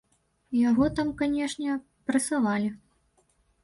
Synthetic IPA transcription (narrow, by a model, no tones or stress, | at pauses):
jaɣɔt̪amkanʲɛʂnʲɛ | pɾɐsavalʲi